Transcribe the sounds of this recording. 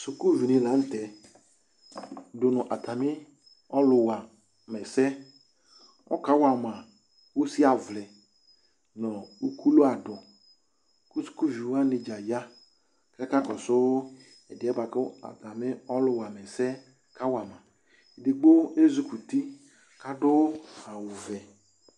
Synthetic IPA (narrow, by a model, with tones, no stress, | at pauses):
sʊ˨ku˦vi˨nĩ˨lã˨˦n̩˦tɛ˨ | dʊ˨nʊ˨ʔa˨ta˨mɪ˦ | ɔ˦lʊ˨wa˨ | mɛ˨sɛ˦ | ɔ̰˦ka˨˦wa˨mã˨ | wo˦si˦a˨vlɛ˨ | nɔ˨u˦kʰu˦lo˦a˨dʊ˨ | ku˦su̥˦ku˦vi˨wa˦nɪ˨d͡ʒa˨ja˦ | kɛ˦ka˦kɔ˨sʊ˦ | ɛ˨dɪ˨˦ɛ˦ba˨kʊ˦a̰˨t̪a˨mɪ˦ɔ˦lʊ˨wa˨mɛ˨sɛ˦ | ka˦wa˨mã˨ | i˨dɪ˨ɡ͡bo˦e˦zu˦ku˨t̪i˦ | ka˦dʊ˦a˨wʊ˨vɛ˨